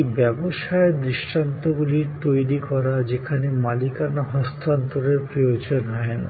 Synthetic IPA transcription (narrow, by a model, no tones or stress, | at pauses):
bɛboʃaed̪ɾiʃʈant̪oɡuliɾt̪ojɾikɔɾad͡ʑekʰanemalikanaɦɔst̪ʰant̪oɾeɾpɾojod͡ʑonɦɔen